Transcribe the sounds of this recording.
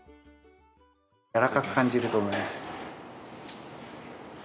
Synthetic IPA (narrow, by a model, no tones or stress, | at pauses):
jaɾakakɯ̟̥kãɲd͡ʑiɾɯ̟t̪oːmo̞imasɨ̥